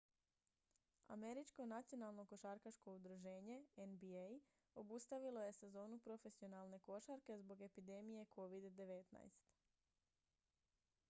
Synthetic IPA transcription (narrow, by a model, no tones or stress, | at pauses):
a̰me̞ɾit͡ʃko̞nat̪sijo̞nalˠno̞ko̞ʃaɾkat͡ʃko̞ud̪ɾuʒe̞ːɲe̞enbiej | o̞bust̪aʋilo̞je̞se̞zo̞ːnupɾo̞fe̞sio̞nalˠne̞ko̞ʃaɾke̞zbo̞ɡe̞pid̪e̞mije̞kʰo̞ʋid̪d̪e̞ʋe̞t̪na̰jst̪